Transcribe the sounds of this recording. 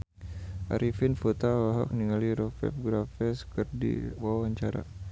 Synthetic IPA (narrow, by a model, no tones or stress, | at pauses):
ʔa̰ɾifinfut̪awaɦɔ̰k̚niŋaliɾɔfɛ̰fɡɾafɛskɨrdḭwawaɲt͡ʃaɾa̰